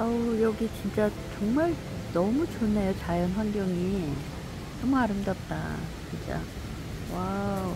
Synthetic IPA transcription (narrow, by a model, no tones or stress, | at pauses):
ajʌɡit͡ɕint͡ɕ͈at͡ɕʌŋmaɭ | nʌmut͡ɕonejot͡ɕajʌnɸwanɡjʌŋi | nʌmuaɾɯmdʌp̚t͈a̰t͡ɕint͡ɕ͈a̰ | wa